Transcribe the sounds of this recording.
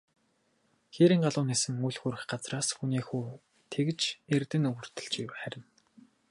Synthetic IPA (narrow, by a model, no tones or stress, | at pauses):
xeɾiːŋɢaɮʊːniːsɘ̆ŋuɮxuɾɘ̆xɢat͡sraːsxuniːxuː | t̪ʰek̆t͡ɕert̪ɘ̆nɵɣɵ̆r̥t̪ɘ̆ɬt͡ɕiwχæɾʲɪ̆n